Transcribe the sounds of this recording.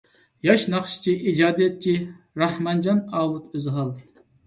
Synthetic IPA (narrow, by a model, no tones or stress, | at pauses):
jɑʃnɑχʃt͡ʃʰiʔid͡ʒɑːd̪ijɛt̪̚t͡ʃʰi | ɾɑhmɑnd͡ʒɑnɑːwut̪øzɨɦɑlˠ